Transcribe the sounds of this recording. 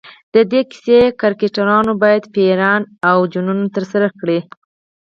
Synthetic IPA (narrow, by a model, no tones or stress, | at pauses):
d̪̥əd̪eki̥sekaɾkeʈaɾɑnobɑjad̪peɾɑnawd͡ʒununot̪əɾsaɾakɽi